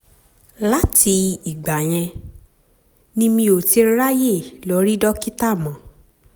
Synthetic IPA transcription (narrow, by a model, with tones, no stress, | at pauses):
la˦ti˧i˨ɡ͡ba˨j̃ɛ̃˧ | nĩ˧mĩ˧o˨ti˧˦ɾa˦je˦˨lɔ˨˧ɾi˦dɔ˦ki˦ta˦˨mã˨˦